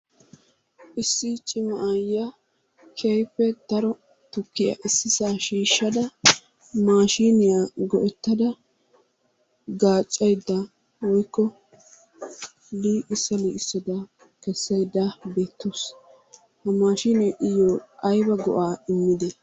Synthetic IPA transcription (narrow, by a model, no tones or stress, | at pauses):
ʔɪsːɪt͡ʃʼɪmɐʔajːɐ | kʰejpːɛt̪ɐɾɔ | t̪ʊkːɪjɐ̰ʔɪsːɪsaːʃiːʃːɐd̪ɐ | maːʃiːnɪjaɡɔʔɛt̪ːɐd̪ɐ | ɡaːt͡sʼːɐjd̪ːɐ | wɔjkːɔ | liːʔɪsːɐliːʔɪsːɐd̪ɐ | kɛsːɐjd̪ːabe̞ːt̪ːoːs | hɐmaːʃiːnɛʔɪjːoːʔɐjbɐɡɔ̰ʔaːɪmːɪd̪ɛ